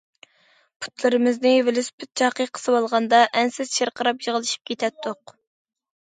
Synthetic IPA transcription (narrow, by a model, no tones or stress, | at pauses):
pʰu̥t̪lˠɨɾɨmɪznɪvelyspʰɪt̪̚t͡ʃʰɑqəqʰə̥sɨwɑlˠʁɑnd̪ɑʔɛnsɪzʃeɾqʰəɾɑpjəʁəlˠɨʃi̥p̚kʲʰet̪ʰɛt̪ʰːoq